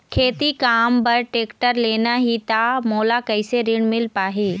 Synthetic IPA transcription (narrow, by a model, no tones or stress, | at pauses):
kʰeːt̪ikaːmbɐɾʈeːkʈəɾleːnaɦit̪amoːlakɐɪseɾɪɽ̃mɪlpaːɦeː